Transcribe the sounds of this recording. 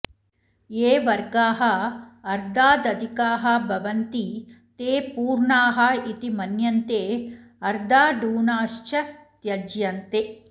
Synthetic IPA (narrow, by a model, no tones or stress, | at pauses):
eːʋɐɾɡaːɦɐɐɾd̪aːd̪ɐd̪ʱikaːɦɐbʱɐʋɐnt̪it̪eːpuːɾɳaːɦɐit̪imɐnjɐnt̪eːɐɾd̪aːɖuːɳaːʃt͡ʃɐt̪jɐd͡ʒjɐnt̪e